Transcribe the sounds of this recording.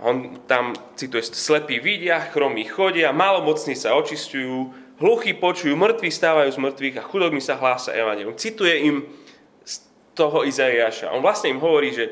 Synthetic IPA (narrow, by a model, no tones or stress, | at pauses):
ɔnt̪amt͡sit̪ujɛslɛpiːʋiɟɪaxɾɔmiːxɔɟɪamaːlɔmɔt͡sniːsaɔt͡ʃiscujuː | ɦluxiːpɔt͡ʃujuːmr̩t̪ʋiːxst̪aːʋajuːzmr̩t̪ʋiːɣaxud̪ɔbnisaɦlaːsa̰ʔɛʋaɲɛliumt͡sit̪ujɛim | s | t̪ɔɦɔizaiaːʃa̰ɔ̰nʋlast̪ɲɛimɦɔʋɔɾiːʒɛ